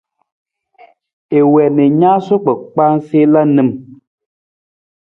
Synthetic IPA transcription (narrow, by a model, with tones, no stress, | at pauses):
e˨wɛ˨nɛ˨ɲa˦so˦k͡pɛ˨k͡pa˦n˦se˦la˦nɨ˦˨m